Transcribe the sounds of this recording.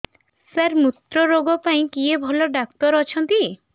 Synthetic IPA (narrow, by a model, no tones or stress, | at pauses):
saɾmut̪ɾɔɾoɡɔpaĩkiebʱɔlɔɖak̚t̪ɔɾɔt͡ʃʰɔnt̪i